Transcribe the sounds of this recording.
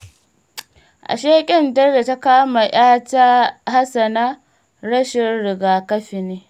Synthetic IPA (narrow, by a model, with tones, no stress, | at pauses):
ʔa̰˨ʃeː˦kʲʼɪ˦˨ndɐ˦rde˨ta˦kaː˦ma˨j̰aː˦ta˦ɦa˦sɐ˨naː˦ | ɾɐ˦ʃɪ˨rɽɪ˨ɡaː˨kɐ˦ɸɪ˨neː˦